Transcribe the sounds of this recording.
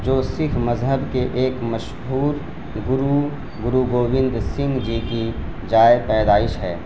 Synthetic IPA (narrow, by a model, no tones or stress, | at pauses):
d͡ʒoːsɪkʰmɐzɦəbkeʔeːkmɐʃ | ɦuːɾ | ɡʊɾu | ɡʊɾuɡoːʋɪ̃nd̪sɪ̃ŋɡd͡ʒiki | d͡ʒaːjpɛːd̪aːɪʃɦɛː